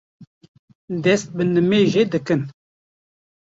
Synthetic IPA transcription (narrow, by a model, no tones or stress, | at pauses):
d̪ɛst̪̚bənɨmeʒed̪ɨkɨn